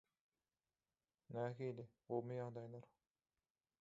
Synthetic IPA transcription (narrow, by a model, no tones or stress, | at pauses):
næːɦili | olˠmujɑʁd̪ɑjlˠɑɾ